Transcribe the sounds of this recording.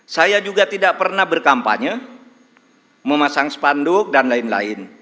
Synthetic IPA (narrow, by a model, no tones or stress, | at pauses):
sajad͡ʒuɡat̪idaʔpərnahbərkampa̰ɲa | məmasaŋsə̥pandʊk̚danlaɪnla̰ɪn